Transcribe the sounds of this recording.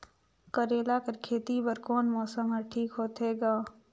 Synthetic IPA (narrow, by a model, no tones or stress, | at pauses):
kəɾeːlakəɾkʰeːt̪ibəɾkɔːnmɔːsəmɦɛʈʰiːkɦoːt̪ɦeːɡaː